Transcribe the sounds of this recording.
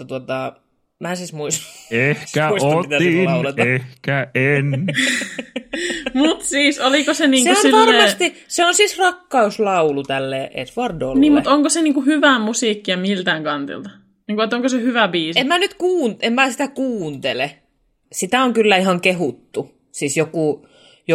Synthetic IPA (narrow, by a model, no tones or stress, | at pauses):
t̪uot̪ɑ | mæːsismuisehkæuisoit̪æsilɑulet̪ɑehkæen | mut̪siːsolikoseniːŋksuosniʋɑlɑːremɑːst̪iseonsisrɑkːɑuslɑulut̪ælːeːʔḛsʋɑrdoo̰lːniːmmut̪oŋkoseniːŋkuhyʋæmusiːkːiɑmilt̪æːŋkɑnt̪ḭlt̪ɑ | niːŋkuet̪ːoŋkosehyʋæbiːsemmænyt̪kuːnemmæːsit̪ækuːnt̪ele | sit̪æoŋkylːæihɑŋkehut̪ːu | sisjokuˑ | jo